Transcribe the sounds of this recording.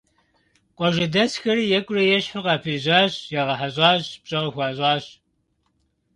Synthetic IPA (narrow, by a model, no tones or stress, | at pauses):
qʷʼɔʒɐdɐsxɐrijɛkʷʼʊrɐjɛɕħʊʁɑːpʰiːʑaːɕjɛʁɐħaʑʼɑːɕpɕʼɐʁəxʷɑːʑʷʼɑːɕ